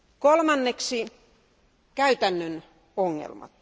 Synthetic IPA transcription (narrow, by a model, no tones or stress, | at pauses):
kolmɑnːeksi | kæyt̪ænːøn | oŋːḛlmɑ̰t̪